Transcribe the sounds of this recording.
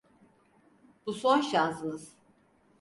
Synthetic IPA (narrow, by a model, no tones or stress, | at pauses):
b̥usonʃaːzɯnɯz̥